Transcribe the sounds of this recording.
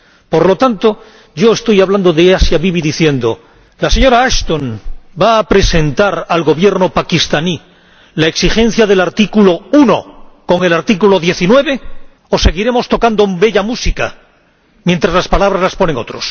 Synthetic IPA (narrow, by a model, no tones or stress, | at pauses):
po̞ɾlo̞t̪ant̪o̞ | ɟ͡ʝo̞e̞st̪o̞jaβland̪oðe̞asjaβiβiðiθje̞nd̪o̞ | laseɲo̞ɾaaʃt̪onbaːpɾe̞se̞nt̪aɾalɣo̞βje̞ɾno̞pakist̪ani | lae̞ksixẽ̞n̟θjaðe̞laɾt̪ikulo̞uno̞ko̞ŋe̞laɾt̪ikulo̞ðje̞θinwe̞β̞e̞ | oseɣiɾe̞mo̞st̪o̞kand̪obe̞ʎamusika | mje̞nt̪ɾazlaspalaβɾazlaspo̞ne̞ŋo̞̰t̪ɾo̞s